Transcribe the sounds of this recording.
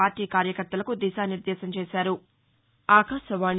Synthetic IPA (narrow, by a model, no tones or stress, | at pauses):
aːɾʈiːkaːɾjɐkɐɾt̪ɐlɐkud̪iːʃaːniɾd̪ɛːsɐmt͡ʃeːʃaːɾu | aːkaːʃɐʋaːn